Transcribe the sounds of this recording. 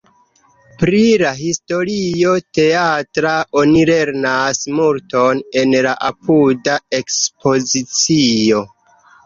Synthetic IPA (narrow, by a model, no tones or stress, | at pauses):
pɾilaɦisto̞ɾio̞te̞atɾaʔo̞nile̞ɾnasmuɾto̞ne̞nlaʔapʰudae̞kspo̞zit͡sio